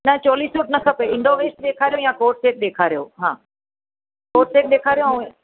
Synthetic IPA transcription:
nɐt͡ɕoɔːliːsuːʈnɐkʰɐpeɪ̃ɳɖoːʋeːsɗ̪eːkʰaːɾijojãːkoːɾʈseːʈ̚ɗeːkʰaːɾijoːɦã̰ː | koːɾʈseːʈ̚ɗeːkʰaːɾijo

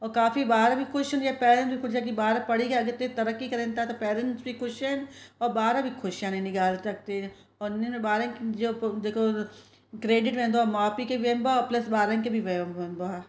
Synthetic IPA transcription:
ɔːɾkaːfibaːɾãbʱikʰʊʃoniepɛːɾə̃nʈbikʰʊʃãk̬ibaːɾapəɽikeɐɡəɾt̪et̪əɾəkːikɐɾẽːnt̪at̪opɛːɾə̃ɳʈsbikʰʊʃenɔːɾbaːɾãbʱikʰʊʃjãnẽnɪkaːlsɐk̚t̪e | ɔːnemebaːɾə̃nkd͡ʒoːd̪eːkʰo | kɾeːɖɪʈʋẽːnd̪oaːmaːpikeʋeːmbapləsbaːɾə̃nk̬ebʱiʋeːmẽnb̪oaː

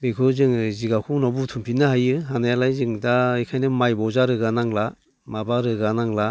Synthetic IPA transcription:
bekʰɯzɯŋziɡakʰuŋnɔbutʰumpʰinɯhajɯɦanajalajzɯŋdaɯjkʰajnɯmajbɔzaɾɯɡanaŋla | mabaɾɯɡanaŋla

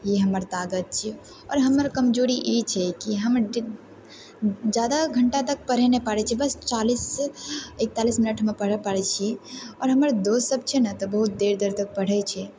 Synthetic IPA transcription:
jiɦəməɾt̪aɡət̪̚t͡ʃʰi | ɔːɾɦəməɾkəmd͡ʒoɾiʔit͡ʃʰɛkiɦəm | d͡ʒjad̪aɡʱəɳʈat̪ək̚pəɽ̤ɛnepəɽɛt͡ʃʰɛbəst͡ʃalis | ek̚t̪alisminəʈʰmepəɽəpəɽɛt͡ʃʰiɔːɾɦəməɾd̪ossəb̚t͡ʃʰɛnat̪ɔbəɦut̪̚d̪eɾd̪eɾt̪ək̚pəɽ̤ɛt͡ʃʰɛ

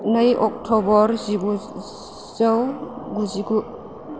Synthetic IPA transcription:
nɐjʔɔk̚tʰɔbɔɾzibu | z̥awɡuziɡu

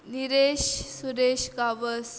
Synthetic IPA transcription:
niɾeɕsuɾeɕkaʋəs

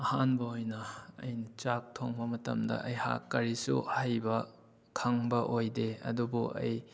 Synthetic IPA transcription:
ɐhanbɐojnɐɐ̰jnit͡ʃak̚tʰoŋbɐmɐtɐ̰mdɐ̰ʔɐjha̰kːɐɾisṵhajbɐ | kʰɐŋbɐʔojdeɐ̰dubuʔɐ̰j

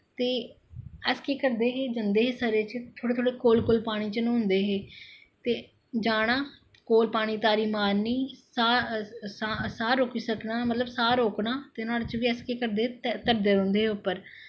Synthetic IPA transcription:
t̪eː | əskeːkəɾd̪eːɦeːd͡ʒənd̪eːɦeːsəɾeːt͡ʃt̪ʰoːɽeːt̪ʰoːɽeːkoːlkoːlpaːɽ̃iːt͡ʃnũːɦʊnd̪eːɦeː | t̪eː | d͡ʒaːɽ̃aː | koːlpaːɽ̃iːt̪aːɾiːmaːɾniːsaːsasaːɾoːkiːsəknaːmət̪ləbsaːɾoːknaːt̪eːnaːlːt͡ʃʋiːəskeːkəɾd̪eːt̪əɾd̪eːõːnd̪eːɦʊpːəɾ

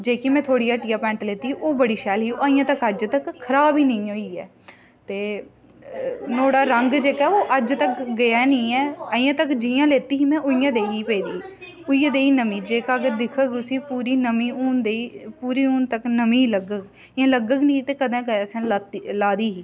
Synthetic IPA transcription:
d͡ʒeːkimɛ̃ːt̪ʰoːɽiːaːʈiːaːpɛ̃ːɳʈleːt̪iːʔoːbəɽiːʃɛːlɦiːoəɪ̃jãːt̪əkəd͡ʒt̪əkkʰːəɾaːbiːnəĩːoːiːɛ̰ː | t̪eː | noːɽaːɾəŋɡd͡ʒeːkaɛːoːʔəd͡ʒt̪əkɡəjaːnĩːɛːəɪ̃jãːt̪əkd͡ʒɪjãːleːt̪iːɦiːmɛ̃ːʔʊɪjãːd̪eːɦiːpeːd̪iː | ʊijãːd̪eːiːnəmĩːd͡ʒeːkaːɡəd̪ɪkʰəɡʊsiːpuːɾiːnəmiːuːnd̪eiːpuːɾiːuːnt̪əknəmĩːləɡəkː | ãːləɡəknĩːt̪eːkəd̪ẽːkəsẽːlaːt̪ilaːd̪iːɦiː

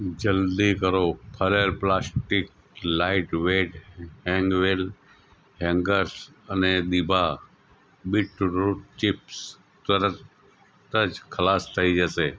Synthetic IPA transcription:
d͡ʒəld̪ikəɾopʰəlelplaːsʈɪk̚ | laːɪʈʋeːɖɦɛ̃ŋɡʋel | ɦɛ̃ŋɡəɾs | əned̪ɪbʱa | bɪʈɾutt͡ʃɪps | t̪əɾət | t̪əd͡ʒkʰəlaːst̪ʰəid͡ʒəseː

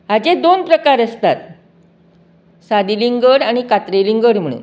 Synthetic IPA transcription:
ɦad͡ʑed̪onpɾəkaɾəst̪at̪̚ | sad̪iliŋɡəɽaɽ̃ikat̪ɾeliŋɡəɽm̤əɽ̃ṵn

